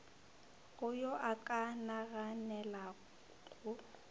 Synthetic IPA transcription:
ɣʊjɔʔakʼanaɣanɛla | ɣʼʊ

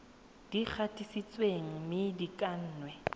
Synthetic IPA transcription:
d̥ik͡xʰatʼisit͡sʼweŋ̩mɪdikʼan̩ːnwɛ

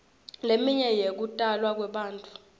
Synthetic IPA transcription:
lemiɲɛjek̬utʼalwak̬wɛɓaːntʼu̥

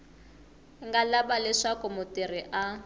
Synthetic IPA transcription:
ŋɡalabalɛʂakʼʊmʊtiriʔa

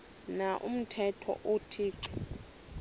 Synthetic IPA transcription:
naʔum̩tʰɛtʰɔ̰ʔutʰiːǀɛ

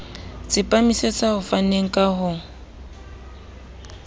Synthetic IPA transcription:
t͡sʼɪpʼamiset͡sʼahʊfaneŋ̩kʼaɦʊ

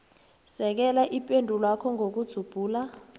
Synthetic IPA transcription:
sɛk̬ɛlaʔipʼendʱulakʰɔŋʱok̬ud̥z̥ʱub̥ʱuːla

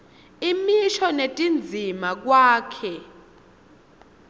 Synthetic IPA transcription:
imiʃɔnetʼind͡zʱimak̬waːkʰɛ

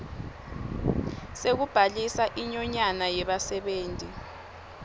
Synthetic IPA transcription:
sek̬ub̥ʱalisaʔiɲɔɲanajɛɓasɛɓeːntʼi

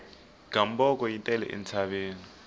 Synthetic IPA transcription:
ɡ̥ambɔkɔjintʼɛlɛ̰ʔɛ̰nt͡sʰaβeːni

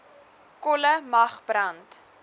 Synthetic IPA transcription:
kɔləmɐχbrɐnt

